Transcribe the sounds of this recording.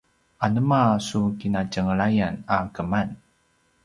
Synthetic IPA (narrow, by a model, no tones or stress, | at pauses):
anəmasukinacəŋəɭajanakəman